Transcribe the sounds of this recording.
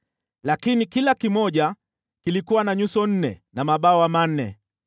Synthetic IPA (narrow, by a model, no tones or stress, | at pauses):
lakinikilakimɔʄa | kilikuwanaɲusɔn̩nɛ̰namaɓaɔwaman̩nɛ̰